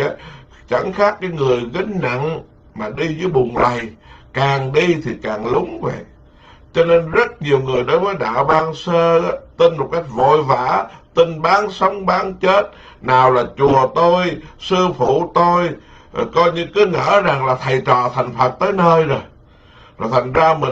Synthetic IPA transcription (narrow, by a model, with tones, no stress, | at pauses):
t͡ɕa˧˩ŋxaː˦˥k̚kaː˨˦jŋɨ˨˩əjɣi˧˦ŋ̟na̰˧˨n | maː˨˩ɗi˧zɨː˨˦jɓʊ˨˩ŋ͡mla˨˩jkaː˨˩ŋɗi˧t̪ʰi˨˩kaː˨˩ŋlʊ˨˦ŋ͡mvə̰˧˨j | t͡ɕɔ˧ne˧nzə˦˥t̚ɲi˨˩əwŋɨ˨˩əjɗo˨˦jvəː˨˦jɗaː˧˩wɓaː˧ŋsəː˧ʔa˨˦t̪i˧nmo˨˩t̚ka˦˥jk̟̚vo̰˧˨jvaː˧˩t̪i˧nɓaː˨˦nsə˨˦wŋ͡mɓaː˨˦nt͡ɕe˦˥t̚ | naː˨˩wlaː˨˩t͡ɕu˨˩ət̪o˧jsɨ˧fu˧˩˨t̪o˧j | kɔ˧jɲɨ˧kɨ˨˦ŋə̰ː˧˥za˨˩ŋlaː˨˩t̪ʰa˨˩jt͡ɕɔ̰˧˨t̪ʰa˨˩jŋ̟fʰə˨˩t̚t̪əː˨˦jnəː˧jzo˨˩j | zt̪ʰa˨˩ŋ̟zaː˧mï˨˩